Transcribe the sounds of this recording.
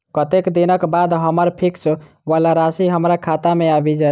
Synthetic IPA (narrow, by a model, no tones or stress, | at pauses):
kət̪ekd̪inəkbad̪ɦəməɾpʰikt͡ʃʰ | ʋalaɾasiɦəmɾakʰat̪ameabid͡ʒa